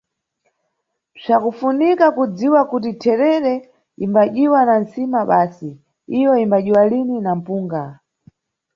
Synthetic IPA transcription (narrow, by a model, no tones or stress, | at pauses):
b͡ʐakufunikakud͡ziwakutitʰɛɾɛɾɛ | imbaʄiwanansimaɓaːsi | ijɔimbaʄiwalininam̩puːŋɡa